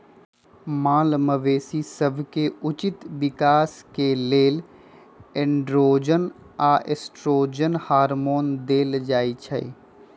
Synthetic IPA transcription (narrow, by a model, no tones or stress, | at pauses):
mãːlməʋeːsisəbʱkeʊt͡ʃɪt̪ʋɪkaːskeleːl | ɪ̃ɳɖɾoːd͡ʒən | aːʔesʈɾoːd͡ʒənhaːɾmoːnd̪eːld͡ʒaːit͡ʃʰə̰e